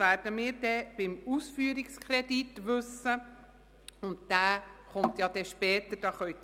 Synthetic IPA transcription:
æɾdəmiːɾdɛb̥ɪmusfyːəɾikskʰχɾɛditʋɵsə | ʊntd̥æːχʊmt̪jɑd̪̥ɛʃpɛːt̪əd̥ɑːχœʏt

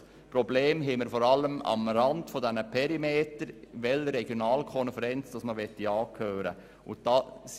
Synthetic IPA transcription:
pɾɔbleːmɦɛməɾfɔɾɑlːəmɑ̰mɾɑndfodɛnəpʰɛɾimeːtəɾʋɛləɾɛɡ̥jonɑːlkʰɔnfəɾɛnt͡sd̥ɑsməʋɛtːiɑːkʰøːɾə̰ | ʊnt̚d̥ɑːs

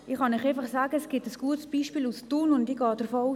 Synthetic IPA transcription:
ɪχɑniχeɪfɑχsaːɡəɛsɡ̥ɪtəsɡ̥uətsb̥iːʃpiːlustuːnʊndiɡ̥ɑːd̥əɾfɔu

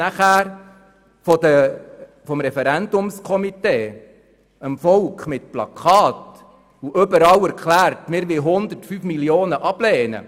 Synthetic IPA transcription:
æχæːɾ | fɔd̪ə | fɔmɾɛfɛɾændʊmskʰɔmiteː | əmfɔlkχmɪtplɑ̰kʰɑːt | uʔʏbəɾɑwæɾkχlæːɾtmɪːɾʋɪlɦʊnd̪ərtfyːfmiljoːnəʔɑb̥lɛːnə̰

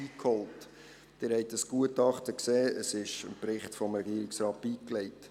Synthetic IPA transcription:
iːkhɔlt | d̥ɪːɾhɛɪtəsɡ̥uətɑχtəkseːəsɪʃə̰nprɪχtfɔmɾɛɡiəɾɪksɾɑːt̚b̥iːklɛɪt

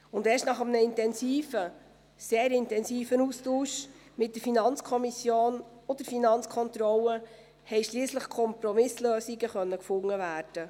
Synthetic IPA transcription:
ʊndeːʃtnɑχəmnəɪntɛnsiːfə | seːɾɪntɛnsiːfənustuːʃmɪt̚d̥əɾfinɑnt͡skʰɔmisjoːn | ɔd̪̥əɾfinɑnt͡skʰɔnt̪ɾɔlə | hɛɪʃliːsləχkʰɔmpɾɔmɪsløːsiɡəχœnːəkfʊŋːəvæːɾd̥ə

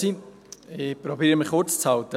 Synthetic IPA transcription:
i | ɪpɾɔbiːɾəmɪχʊɾt͡st͡shawt̪ə

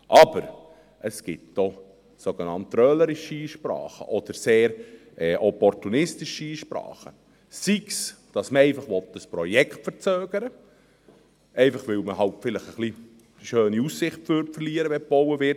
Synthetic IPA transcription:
ʔɑbəɾ | ʔəsɡ̥ɪtd̥ɔ | soɡ̥enɑntrœːləɾɪʃiiːʃpɾɑ̰ːχə̰ʔɔd̥̪əɾseːɾ | ɛʔɔpɔɾtunɪstɪʃiiːʃpɾɑ̰ːχə | siksd̥ɑsməɛɪfɑχʋɔt̪dəspɾɔjɛkχtfəɾt͡søːɡ̥əɾə | ɛɪfɑχʋɪlməɦɑltfɪləχəχli | ʃøːniussɪχtføɾtfərliːɾəʋɛb̥ɔwəvɪɾt

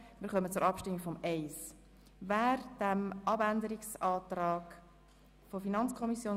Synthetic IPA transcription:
mɪːɾχœmət͡suɾɑpʃtɪmːiɡfɔmɛɪs | væːɾd̥æmʔɑbændəɾiksɑːt̪rɑːɡ | fofinɑnt͡skʰɔmisjoː

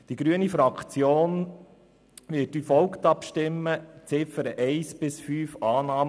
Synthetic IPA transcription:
d̪̥iɡɾyənifɾɑkχt͡sjoːn | ʋɪtyfɔlkt̪ɑpʃtɪmːət͡sɪfəɾəʔɛɪsbɪsfyːfɑːnɑːm

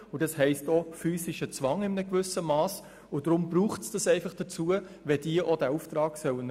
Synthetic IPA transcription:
ʊdɑshɛɪstofyːsɪʃət͡sʋɑŋɪmənəkvʏsəmɑːs | ʊd̥ɾʊmbruːχtsd̥ɑsɛɪfɑχd̥ət͡suə | ʋɛd̥iəʔodæːɾuftɾɑːɡsœwən

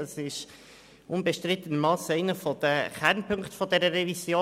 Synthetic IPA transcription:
əsɪʃ | ʊnbɛʃtɾɪt̪ənmɑːsɛɪnəfɔd̥̪əχɛɾnpʰɵŋktfɔd̪ɛɾəɾɛvisjoː

